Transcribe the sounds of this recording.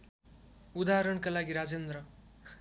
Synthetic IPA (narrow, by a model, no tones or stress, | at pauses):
ud̪aɦɾʌɽkalaɡiɾad͡zend̪rʌ